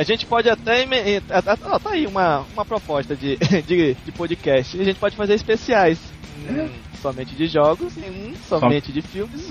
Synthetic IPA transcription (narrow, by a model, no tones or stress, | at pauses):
aʒẽnt͡ʃɪ̥pɔd͡ʒɪat̪ɛimẽẽt̪at̪aɔt̪aiũmɐũmɐpɾɔpɔʃt̪ɐd͡ʒɪd͡ʒɪd͡ʒɪpod͡ʒɪkɛʃt͡ʃɪaʒẽnt͡ʃɪ̥pɔd͡ʒɪfazeɾispesiajs | sɔmẽnt͡ʃɪd͡ʒɪʒɔɡʊsẽũsɔmẽt͡ʃɪd͡ʒɪfiwmɪs